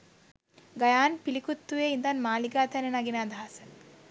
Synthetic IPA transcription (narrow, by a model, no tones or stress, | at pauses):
ɡɐjaːnpilikut̪ːuʋeːind̪anmaːliɡaːt̪ænenɐɡinaːd̪ɐɦɐsə